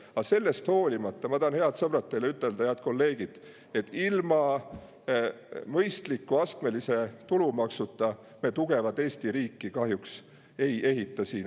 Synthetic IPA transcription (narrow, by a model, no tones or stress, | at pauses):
ɑse̞lːe̞st̪ho̞ːlʲimɑt̪ˑːɑmɑt̪ɑnhe̞ɑd̪sɤb̥rɑt̪ːˑejleyt̪ˑːe̞ld̪̥ɑeɑt̪̚ko̞lːe̞ːɡ̥id̪̥ | e̞t̪ːˑilmɑ | mɤjst̪likːuɑst̪me̞lise̞t̪ulumɑksut̪ːˑɑ | me̞t̪uɡ̥e̞vɑd̪eːst̪iɾiːkːˑikɑhjuks | e̞je̞ɦit̪ːˑɑsiːn